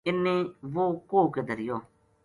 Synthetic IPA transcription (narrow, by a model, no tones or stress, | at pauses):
ɪnːeːʋoːkoːkeːd̪əɾɪjoː